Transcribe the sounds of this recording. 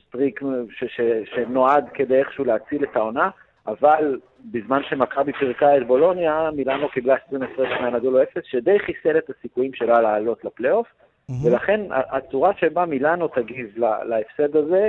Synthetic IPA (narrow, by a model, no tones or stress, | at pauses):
st̪ʁikʃeʃeʃeno̞ad̪ked̪e̞jeχʃeuleat͡silet̪ao̞na | aval | bizmanʃe̞makabipiʁkaet̪bo̞lo̞njamilano̞kiblaʃtʁimesʁedmeanad̪oloe̞fe̞sʃed̪ejχiselet̪asikujimʃe̞lalaːlo̞t̪laplejo̞f | ve̞laχe̞na̰ʔat͡suʁaʃebamilano̞t̪aɡivla̰laefsed̪aze̞